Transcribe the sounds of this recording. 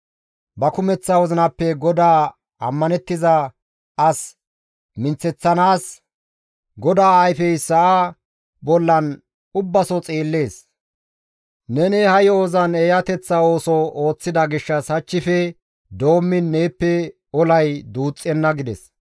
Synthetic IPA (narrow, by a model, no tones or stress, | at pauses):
bɐkʊmɛt͡sːɐwɔzɪnɐpːɛɡɔd̪aː | ɐmːɐnɛt̪ːɪzɐ | ɐs | mɪnt͡sːɛt͡sːɐnaːs | ɡɔd̪aːɐjfɛjsɐʔa | bɔlːɐn | ʊbːɐsɔt͡sʼeːlːe̞ːs | nɛnɛhɐjoːzɐnejɐt̪ɛt͡sːɐo̞ːsɔoːt͡sːɪd̪ɐɡɪʃːɐsɐt͡ʃːɪfɛ | d̪o̞ːmːɪnːe̞ːpːɛ | ɔlɐjd̪uːt͡sʼːɛnːɐɡɪd̪ɛs